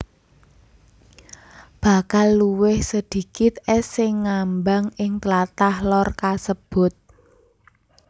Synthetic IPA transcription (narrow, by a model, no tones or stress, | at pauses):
b̥a̤kalːuwɪhsəd̪̥i̤kɪt̪̚ɛsɪŋːambaŋɪŋt̪əlat̪ahlɔrkasəb̥ʊ̤t̪̚